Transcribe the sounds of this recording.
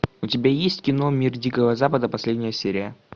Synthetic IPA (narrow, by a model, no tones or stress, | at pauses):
ʊtʲɪbʲajesʲtʲkʲɪno̞mʲirdʲikəvəzapəd̪əpɐsʲlʲedʲnʲɪjəsʲeɾʲɪjə